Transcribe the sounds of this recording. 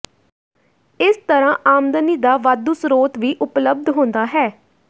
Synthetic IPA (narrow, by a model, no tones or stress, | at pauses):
ɪst̪əɾãːʔaːmd̪əniːd̪aːʋaːd̪uːsɾoːt̪ʋiːʔʊpləb̚d̪ɦõːnd̪aːɦɛː